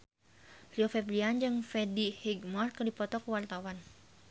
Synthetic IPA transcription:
riofɛbɾiand͡ʒɨŋfɛdihiɡmɔrkərdipɔt̪ɔkuwart̪awan

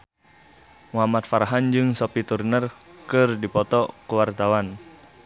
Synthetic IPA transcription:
muɦamat̪faɾaɦand͡ʒɨŋsɔpit̪urnərkɨrdipɔt̪ɔkəwart̪awan

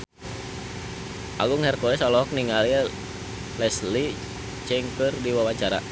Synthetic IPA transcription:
ʔa̰ɡʊŋhɛrkɔɛsɔlɔɦɔk̚niŋali | lɛsli | t͡ʃɛŋkərdiwawaɲt͡ʃaɾa̰

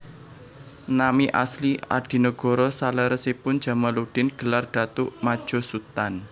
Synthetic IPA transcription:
namiʔa̰slia̰ɖ̥i̤nəɡ̥ɔ̤ɾɔsaləɾəsepʊnd̥ʒ̥a̤malud̥ɪnɡ̥ə̤larɖ̥a̤t̪uʔmad̥ʒ̥ɔ̤sut̪an

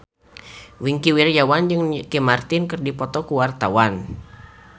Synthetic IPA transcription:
wiŋkiwirjawand͡ʒɨŋkɛmart̪inkɨrdipɔt̪ɔkuwart̪awan

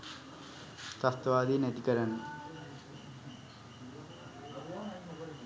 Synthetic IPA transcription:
t̪ast̪əʋaːd̪inæt̪ikəɾanːə

